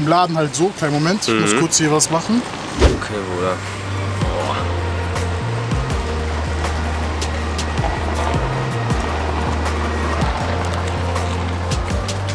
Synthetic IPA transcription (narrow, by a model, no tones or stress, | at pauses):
ɪmlaːdn̩haltz̥oːkʰaɪnmomɛntmʊskʰʊɐt͡shiːɐvasmaχn̩ | okʰeːvoːla | ɔ̰